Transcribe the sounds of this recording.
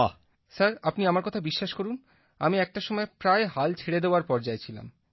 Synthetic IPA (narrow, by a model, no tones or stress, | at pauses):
a̰ | saɾapniamaɾkɔt̪ʰabiʃːaʃkoɾun | amiɛk̚ʈaʃɔmɔepɾaeɦalt͡ɕʰeɽed̪eoaɾpɔɾd͡ʑaet͡ɕʰila̰m